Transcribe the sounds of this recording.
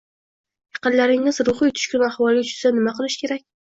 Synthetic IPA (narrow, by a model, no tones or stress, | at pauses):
jɑqɨnlaɾɪŋnɪzɾʊχɨjt̪ʰʊ̥ʃkʲʊnahwɒlˠɪʊt͡ʃʰʊ̥sanɪmaqʰɨlˠɪʃkʲʰe̞ɾakʲ